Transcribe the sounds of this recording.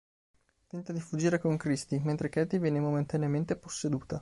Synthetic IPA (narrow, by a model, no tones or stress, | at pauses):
t̪ɛnt̪ad̪ifud͡ʒːiːɾekoŋkɾist̪iment̪ɾek̟ɛːt̪ivjɛːnemoment̪aneament̪eposːed̪uːt̪a